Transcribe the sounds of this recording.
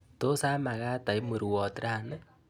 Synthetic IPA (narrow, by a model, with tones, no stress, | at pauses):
t̪o˦saː˧˦ma˨kaː˧t̪ə˨jmɨ˨ɾu˨ɔ˨t̪ɾa˧nɨ˦